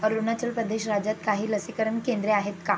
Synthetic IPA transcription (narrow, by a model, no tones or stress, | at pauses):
əɾunat͡ɕəlpɾəd̪eɕɾad͡ʑat̪kaɦiːləsikəɾəɳkẽnd̪ɾeaɦet̪ka